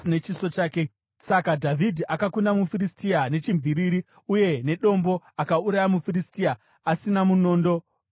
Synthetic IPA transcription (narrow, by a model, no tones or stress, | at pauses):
ne̞t͡ʃiso̞t͡ʃaːke̞ | sakadʱavʱidʱiʔakakundamufiristiane̞t͡ʃimvʱiɾiɾi | uje̞ne̞ɗo̞mbo̞akauɾajamufiristia | asinamuno̞ːndo̞